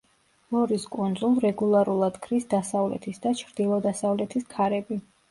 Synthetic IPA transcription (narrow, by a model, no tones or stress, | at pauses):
lɔɾiskʼund̪zulˠɾɛɡulˠaɾulˠad̪kʰɾisd̪asavlɛ̰t̪ʰisd̪at͡ʃʰɾd̪̥ilˠɔd̪asavlɛt̪ʰiskʰaɾɛbi